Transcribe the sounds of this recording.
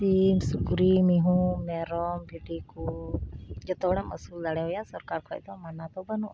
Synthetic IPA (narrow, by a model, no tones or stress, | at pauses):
timsukɾimiɦũmɛɾɔmbʱiʈiku | d͡ʒɔt̪ɔɽɛməsuld̪aɽɛɦɔjasɔɾkaɾkʰɔ̰jt̪ɔmanat̪ɔbənu